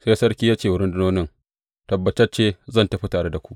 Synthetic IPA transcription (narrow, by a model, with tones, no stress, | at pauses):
se˦jsɐ˦rkʲiː˦jaː˦t͡ʃeː˨wʊ˦ɽɪ˦ndɪ˦noː˦nɪ˦ŋ | tɐ˨bːɐ˨t͡ʃɐ˦t͡ʃeː˦zɐ˦˨ntɐ˦ɸi˦taː˨ɽe˦da˨kʷu̥˦ʔ